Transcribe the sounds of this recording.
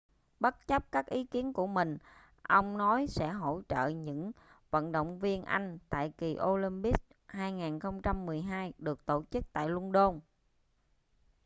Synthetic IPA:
ɓə˦˥t̚t͡ɕə˦˥p̚kaː˦˥k̚ʔi˨˦ki˨˦ənku˧˩əmï˨˩ŋ̟ | ʔə˧wŋ͡mnɔ˨˦jsɛ̰˧˥ɦo̰˧˥˩t͡ɕə̰ː˧˨ɲɨ̰˧˥ŋvə̰˧˨nɗo̰˧˨wŋ͡mvi˧ənʔa˧jŋ̟t̪a̰ː˧˨jki˨˩ʔo˧li˧mpi˦˥k̚haː˧jŋaː˨˩nxə˧wŋ͡mt͡ɕa˧mːɨ˨˩əjɦaː˧jɗɨ˨˩ək̚t̪o˧˩t͡ɕɨ˦˥k̚t̪a̰ː˧˨jlwu˧nɗo˧n

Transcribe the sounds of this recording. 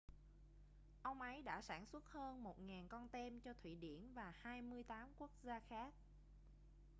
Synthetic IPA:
ʔə˧wŋ͡mʔə˨˦jɗa̰ː˧˥sa̰ː˧˩nswə˦˥t̚həː˧nmo˨˩t̚ŋaː˨˩nkɔ˧nt̪e˧mt͡ɕɔ˧t̪ʰwḭ˧˩ɗḭ˧˩ənvaː˨˩haː˧jmɨ˧əjt̪aː˨˦mku˦˥ək̚zaː˧xaː˦˥k̚

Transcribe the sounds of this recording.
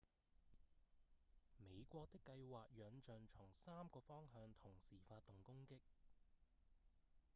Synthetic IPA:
me˨˧jkʷɔː˧k̚t̪ɪ˥kːɐ˧jwaː˨k̚jœː˨˧ŋt͡ʃœː˨˩ŋt͡ʃʰʊ˨˩ŋsaː˥mkɔː˧fɔː˥ŋɦœː˧ŋt̪ʰʊ˨˩ŋsiː˨˩faː˧t̪̚ʊ˨˩ŋkʊ˥ŋkɪ˥k̚

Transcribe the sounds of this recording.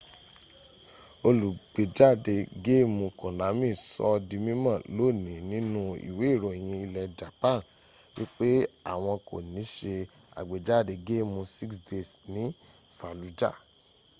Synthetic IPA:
o˧lu˨ɡ͡be˨d͡ʒa˦˨de˧ɡe˦˨mũ˧kũ˨na˨˦mĩ˦˨sɔ̰˧˦di˧mĩ˦mã˦˨lo˦˨nĩ˨nĩ˦nũ˦ḭ˨we˨˦i˦˨ɾo˨j̃ĩ˧i˧lɛ˧d͡ʒa˨pã˦˨n˨ | wi˦k͡pe˦a̰˨w̃ɔ̃˧ko̰˨nĩ˨˦ʃe˧ | a̰˨ɡ͡be˨d͡ʒa˦˨de˧ɡe˦˨mũ˧si˦ksde˧˨snĩ˨˦ | fa˨lu˨˦d͡ʒa̰˦˨

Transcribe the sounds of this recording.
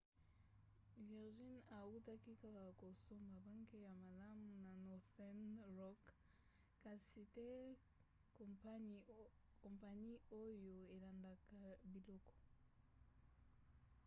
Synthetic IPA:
vi˨ʁʒi˦na˨u˦ta˦ki˦ka˦ka˨ko˨so˦mba˨ba˦ŋke˦ja˨ma˨la˦mu˨na˨nɔ˨ʁθɛ˦nʁɔ˦k | kːa˨si˨tɛ˦ | kõ˨mpa˨ni˦o˦jo˨e˨la˨nda˨ka˨bi˨lɔ˦kɔ̥˨

